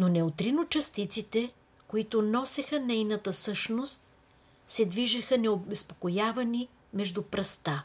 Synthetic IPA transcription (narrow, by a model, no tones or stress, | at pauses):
nonɛot̪ɾinot͡ʃɐst̪it̪sit̪ɛ | koit̪ʊnɔsɛxənɛjnət̪əsɤʃnost̪̚ | sɛd̪viʒɐxənɛobɛspo̥kojavɐni | mɛʒd̪upɾɐst̪a